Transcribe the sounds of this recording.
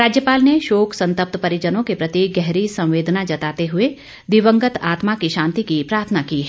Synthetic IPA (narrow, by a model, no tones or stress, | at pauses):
ɾaːd͡ʒjəpaːlneʃoːksɐ̃nt̪əp̚t̪pɐɾɪd͡ʒənõkepɾɐt̪iɡɛɦɾisɐ̃w̃ʋeːd̪nad͡ʒɐt̪aːt̪eɦʊe | d̪iʋə̃ŋɡət̪aːt̪makiʃãːnt̪ikipɾaːɾt̪ʰənakiː